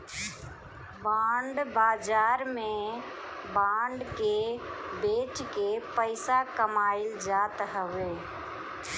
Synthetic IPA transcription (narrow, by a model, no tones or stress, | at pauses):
baːɳɖbaːd͡ʒaːɾmẽ | baːɳɖkebeːt͡ʃkepəɪsakəmaːɪld͡ʒaːt̪ɦəweː